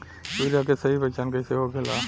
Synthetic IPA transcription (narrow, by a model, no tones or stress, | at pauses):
suːɾijakesɐɦibət͡ʃankeseɦokelaː